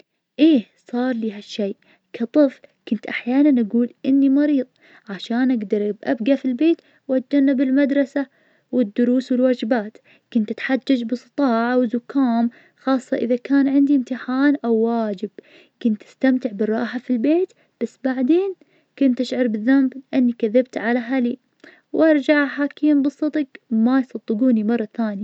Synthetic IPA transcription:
ʔeː | sˤɑːɾˤliːɦaʃːej | kʰat̪ˤɨflkʊnt̪ʔaħjaːnanʔaɡuːlʔɪnːimɑɾiːðˤ | ʕaʃaːnʔaɡd̪ɑɾˤʔbʔa̰bɡafilbeːt̪ | wat̪̚d͡ʒanːabɪlmad̪ɾˤɑsa | wɪd̪ːʊɾuːswɪlwaːd͡ʒɪbaːt̪ | kʊnt̪ʔɪt̪ħad͡ʒːad͡ʒbɨsˤɨ̥t̪ˤɑːʕawɪzʊkːaːm | xɑːsˤːɑʔɪðakaːnʕɪnd̪iɪmt̪ɪħaːnʔawːaːd͡ʒɪb̚ | kʊnt̪ʔɪ̥st̪amt̪ɪʕbɪrˤːɑːħafilbeːt̪ | b̥asːbaʕd̪eːn | kʊnt̪ʔɪʃʕɑɾˤbɪðamblɪʔanːikaðɪb̚t̪ʕalaɦali | wʔɑɾˤd͡ʒaʕaħaːkiːmbɨsˤːɑd̪ɡmajsˤɑd̪ˤːɨɡuːnimɑrˤːɑθaːnija

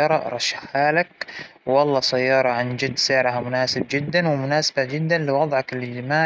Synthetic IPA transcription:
ɑːɾˤɑ̰ɾˤɑʃːḁħaːlak̚wɑlˤːɑsajːɑːɾˤɑʕand͡ʒɪd̪ːsɪʕɾɦamʊnaːsɪb̚d͡ʒɪd̪ːanwɪmʊnaːsḁbad͡ʒɪd̪ːanlɪwɑd̪ˤʕɑkɪlɪd͡ʒɪmaː

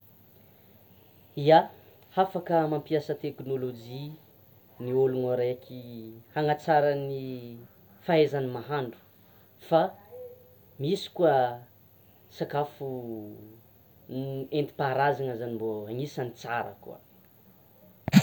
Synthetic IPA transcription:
ia | hafakəmampiasət̪eknolod͡ʒi | niolunaɾekʰihaŋat͡saɾani | faezanimaɦaɳɖ͡ʐu̥ | fa | misi̥kuə | sakafu | nent̪i̥paɾazaŋəzanimboaŋisanit͡saɾa̰kṵa̰

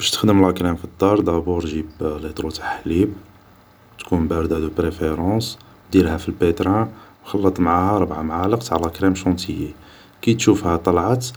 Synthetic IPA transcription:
b̥æʃt̪ə̥xd̪əmlækɾæmfid̪ːɑɾˤd̪æbuɾʒiblit̪ˤɾut̪ʰḁħlib | t̪kunbæɾd̪æd̪əpɾefeɾˤɑ̃s | d̪iɾhæfilbet̪ɾæwxɑlːət̪ˤmʕahæɾˤəbʕamʕaləqt̪aʕlækɾæmʃɑ̃t̪ʰiji | kijt̪ʃufhæt̪ˤːɑlʕət̪

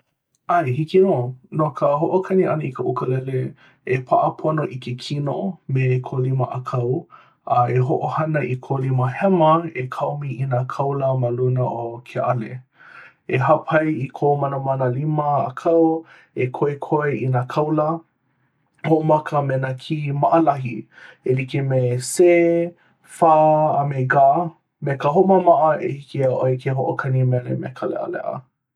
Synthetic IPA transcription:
ʔajhikinoːnokʰəɦoʔokʰɐniʔɐ̰nəikʰəʔukəlɛle | epʰaʔəpʰonoʔikʰekʰinomekʰoliməʔakʰɐw | ɐeɦoʔohɐnəʔikʰoliməhɛmɐekʰawmiinakʰɐwləmalunəʔokʰeʔale | eɦapʰɐjikʰomɐnəmanəlimə̰ːkʰɐw | ekʰoekʰoeʔinakʰɐwlə | hoʔomɐkəmenɐkʰimaʔəlɐɦi | elikimeseː | faːameɡaː | mekəɦoməmaʔəʔehikiaʔoekʰeɦoʔokʰɐnimɛlḛmḛkʰalḛʔa̰lɛ̰ʔə̰

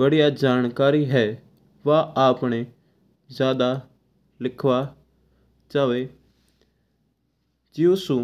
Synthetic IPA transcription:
əɽijaːd͡ʒaːnkaːɾiːɦɛː | ʋaːaːpɳeː | zjaːd̪aː | lɪkʰʋaː | t͡ʃaːʋeː | d͡ʒiːʊsũː

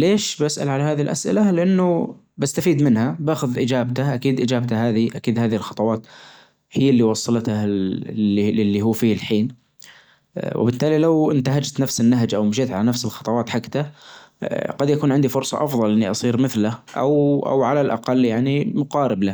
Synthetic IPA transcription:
leːʃbasʔa̰lʕalaɦaːðilʔa̰sʔɪ̰lalɪʔanːʊ | bast̪afiːd̪mɪnhabaːxʊðʔɪd͡ʒaːbt̪aʔakiːd̪ʔɪd͡ʒaːb̚t̪aɦaːðiʔakiːd̪haːðihɪlxɑt̪ˤɑwɑːt̪ | hɪjːalːiwɑsˤːɑlt̪a | ɪlːiɦuːfiːɪlħiːn | wɪ̰bɪt̪ːaːlilawɪnt̪aɦad͡ʒt̪nafsɪnːaɦd͡ʒʔawmʃeːt̪ʕalanafsɪlxɑ̥t̪ˤɑwɑːt̪ħakːt̪a | ɡ̥ɑd̪jakuːnʕɪnd̪ifʊɾsˤɑ̰ʔɑfðˤɑlʔɪnːiʔɑsˤiːɾmɪθlaʔa̰wʔa̰wʕalalʔɑ̰qɑlːjaʕnimʊqɑːɾɪbla

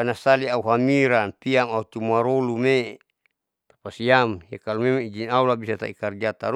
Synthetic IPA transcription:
anasaliauɦamiɾanpiamaut͡ʃumaɾolume | t̪apasiamjakalumemaid͡ʒinaulabisat̪a̰ikard͡ʒat̪aɾu

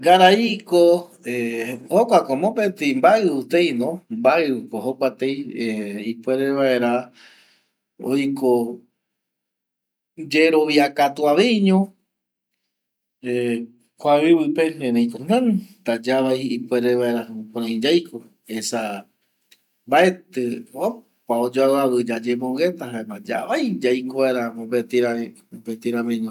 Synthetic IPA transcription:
ɡaɾaikoehokʷakomõpet̪embaɨut̪ejnõmbaɨkohokʷat̪ejeipwe̞ɾeβae̞ɾa | o̰jko | d͡ʒeɾo̞βiakat̪uaʋejɲõ | e | kʷaβiβɨpeẽnẽj̃konãnt̪ad͡ʒaβajipweɾeβae̞ɾaõpɾ̃ãj̃d͡ʒajkʰo | esa | mbaet̪ɨo | paod͡ʒoaaβɨd͡ʒad͡ʒemõŋɡet̪aɦaemad͡ʒa̰βajd͡ʒajkoβaeɾamõbet̪iɾã | bet̪iɾaβeɲõ

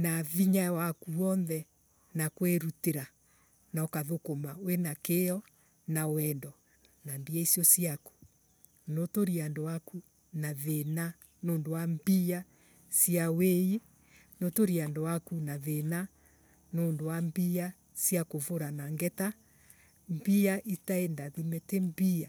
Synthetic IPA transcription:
naviɲawakuɔnðɛ | nakweɾuteɾa | naɔkaðokomawenakeɔ | nawɛndɔ | nambiaisjɔsjaku̥ | notoɾiandowaku | naðena | noːndowambia | siawei | notoɾiandowakunaðena | noːndowambia | sjakovoɾanaŋɡɛta | mbiaʔitaendaðimɛtembia

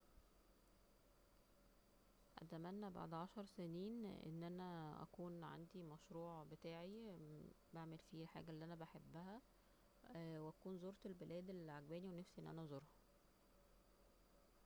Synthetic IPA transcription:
ʔæ̰t̪æmænːæba̰ʕd̪ʕɑʃɑɾˤseniːnʔḛnːʔænæʔæ̰kuːnʕa̰nd̪imæʃɾuːʕbet̪æːʕi | baʕmelfiːlħa̰ːɡælːiːʔænæbæħebːæhæ | weʔækuːnzoːɾt̪elbelʔæːd̪elʕaɡbæːniwenæfsiʔenːʔænæzˤoɾˤhɑ

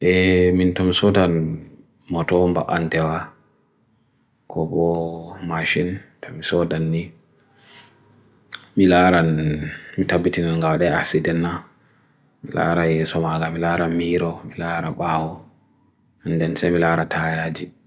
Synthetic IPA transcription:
ʔɛmintɔmisɔdan | mɔtɔmba̰ʔantɛwa | kʰɔbɔmaʃintʰɔmisɔdanːi | milaːɾanmitabːitinalŋɡawaɗɛa̰sidɛnːa | mila̰ːɾajɛsɔmaɡamilaɾamiːɾɔmilaɾaɓaːwɔ | mindɛnsamilaːɾatʰajad͡ʒi

